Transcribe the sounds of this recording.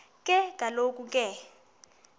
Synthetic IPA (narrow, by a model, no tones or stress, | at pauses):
kʼɛkʼalokʼukʼɛ